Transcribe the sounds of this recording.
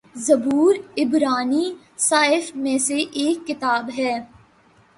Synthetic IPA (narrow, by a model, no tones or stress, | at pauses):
zɐbuːɾɪbɾaːni | saːɪfmẽseʔeːkːɪt̪aːbɦɛː